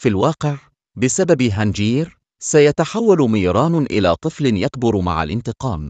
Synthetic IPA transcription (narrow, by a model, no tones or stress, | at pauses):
filwɑːqɪʕ | bɪsababɦand͡ʒiːɾ | sajat̪aħawːalmiːɾˤɑːnʔɪ̰laːt̪ˤɨflɪnjak̚bʊɾma̰ʕa̰lʔɪ̰nt̪ɨqɑːm